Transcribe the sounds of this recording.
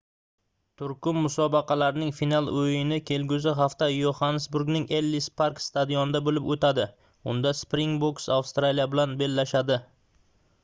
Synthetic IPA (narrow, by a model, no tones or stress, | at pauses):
t̪ʰʊɾkʊmːʊsɒbɑqʰɑlaɾɪnɪŋfinalˠɵjɪnɪkʲʰe̞lɡʲʊzɪɦaft̪ajohansbʊɾɡnɪŋelːispʰaɾkst̪ad̪ijonɪd̪abolɪpot̪ʰad̪ɪ | ʊnd̪aspɾɪŋboksawst̪ɾalijabɪlanbe̞lːaʃad̪ɪ